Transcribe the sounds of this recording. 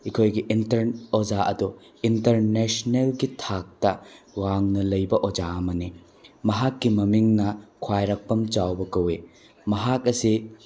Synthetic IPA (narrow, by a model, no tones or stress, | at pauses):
ikʰojɡiʔintɐɾod͡ʒaʔɐdu | intɐɾnesnelɡitʰak̚tɐ | waŋnɐlɐjbɐʔod͡ʒaɐmɐni | mɐɦakːimɐmiŋnɐkʰwajɾɐk̚pɐmt͡ʃawbɐkɐwe | mɐɦak̚ɐsi